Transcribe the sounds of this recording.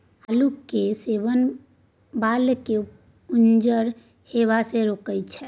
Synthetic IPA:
alukːeseβən | balke | und͡ʒəɾ | heβaseɾokəjtt͡ʃʰɛ

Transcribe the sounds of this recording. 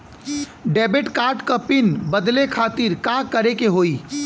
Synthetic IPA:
ɖɛːbeʈkaːɾʈkəpɪnbəd̪lekʰaːt̪iɾkãːkɐɾekeɦoːiː

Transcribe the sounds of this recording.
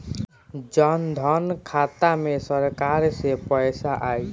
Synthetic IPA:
d͡ʒənd̪ʱɔnkʰat̪amesəɾkaɾsepəjsaʔaj

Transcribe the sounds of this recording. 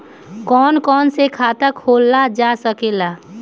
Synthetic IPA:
kɔːnkɔːnsekʰaːt̪əkʰhoːlːad͡ʒasəkela

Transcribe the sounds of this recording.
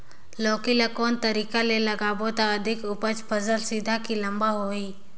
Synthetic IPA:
loːkilakoːnt̪əɾiːkalelɐɡaːbot̪aəd̪ʱɪkʊpət͡ʃpʰəzəlsid̪ʱakilɐmbaɦoːiː

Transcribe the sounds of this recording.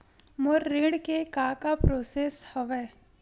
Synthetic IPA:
moɾːeɽkekakapɾoːseːshəʋɛ

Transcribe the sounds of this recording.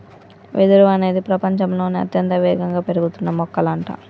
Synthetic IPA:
ʋʔed̪uɾuɐne̞ːd̪ipɾɐpɐɲt͡ʃɐmlo̞ːniɐ̰t̪jɐnt̪ɐʋɛːɡɐŋɡaːpe̞ɾuɡut̪unːɐmɔkːɐlɐɳʈɐ̰

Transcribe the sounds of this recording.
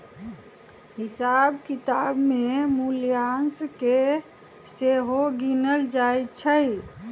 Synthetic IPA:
hisabkit̪abmemulijanske | seɦoɡinəld͡ʒajt͡ʃʰəj

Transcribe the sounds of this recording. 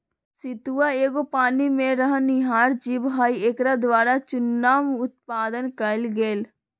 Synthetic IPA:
sit̪uːaeːɡopaːnimẽɾəɦənɪɦaːɾd͡ʒiːbɦaːieːkɾad̪ʋaːɾat͡ʃʊnːaːmʊt̪̚paːd̪ənkəlɡeːl

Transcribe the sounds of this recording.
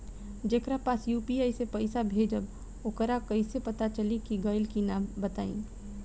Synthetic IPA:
d͡ʒeːkɾapaːsjuːpiaːisepəɪsabʱeːd͡ʒəb | okəɾakɐisepɐt̪at͡ʃəlikiɡaːɪlkinaːmbət̪aːḭ̃ː

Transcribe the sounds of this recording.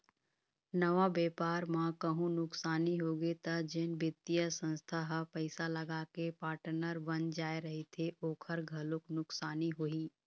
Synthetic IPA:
nəʋabeːpaːɾmãkəɦũnʊksaːniɦoːɡet̪əd͡ʒɪnbɪt̪ːijəsə̃nst̪ʰaɦəpəɪsaləɡaːkepaːʈənəɾʋɐnd͡ʒaːeɾɐɦit̪ʰeʔoːkʰəɾɡʱɐlʊknʊksaːniɦoiː

